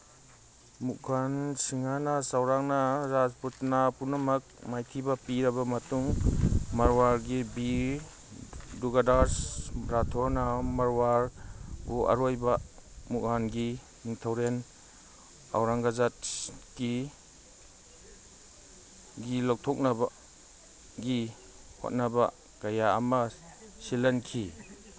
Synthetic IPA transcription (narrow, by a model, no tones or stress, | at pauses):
muk̚ɡansiŋanasawɾaŋnaɾad͡ʒputnapunamak̚majtʰibapiɾɐbamatuŋmaɾwaɾɡibi | duɡadaɾsɾatʰɔɾnamaɾwaɾbuʔa̰ɾojbamuk̚ɦanɡi | niŋtʰawɾen | a̰wɾaŋɡazatɡ̥i | ɡilɔk̚tʰɔk̚naba | ɡi | ho̰t̚naba | ɡ̥aja̰ːma | silankʰi